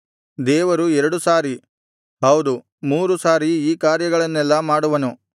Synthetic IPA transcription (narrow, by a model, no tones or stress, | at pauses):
d̪ɛːʋɐɾuɛɾɐɽusaːɾi | ɦɐwd̪u | muːɾusaːɾiiːkaːɾjɐɡɐɭɐnːɛlːɐmaːɽuʋɐnu